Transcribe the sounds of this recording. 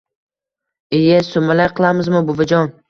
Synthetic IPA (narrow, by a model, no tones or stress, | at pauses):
ejasomalajqʰɨlˠamɪzmʊbʊvad͡ʒɒn